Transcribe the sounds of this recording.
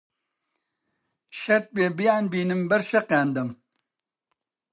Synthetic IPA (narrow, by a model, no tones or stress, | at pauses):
ʃɐɾt̪̚beːbijaːnbiːnɨmbɐɾʃɐqaːnd̪ɐm